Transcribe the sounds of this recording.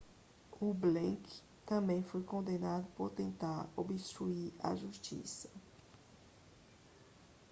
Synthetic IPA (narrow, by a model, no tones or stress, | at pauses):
ublẽk | t̪ɐ̃mbẽj̃fojkõnd̪enad̪ʊpoɾt̪ẽnt̪aɾobist̪ɾuiɾɐ̰ʒuʃt͡ʃḭsɐ̥